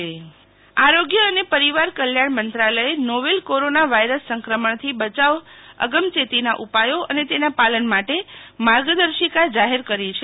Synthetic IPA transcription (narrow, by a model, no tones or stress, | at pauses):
aɾoɡjəənepəɾiʋaɾkəljaɳmənt̪ɾaləenoʋelkoɾonaʋajɾəsːəŋkɾəməɳt̪ʰibət͡ʃaʋə̰ɡəmt͡ʃet̪inaʔupajoʔə̰net̪enapalənmaʈemaɾɡəd̪əɾʃikad͡ʒaɦeɾkəɾit͡ʃʰe